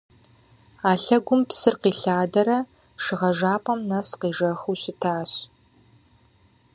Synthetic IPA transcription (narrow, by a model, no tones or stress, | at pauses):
aːɬɐɡʷʊmpsɨrqiːɬaːdɐɾɐ | ʂɨʁɐʒaːpʼɐmnɐsqiːʒɐxuɕɪtʰaːɕ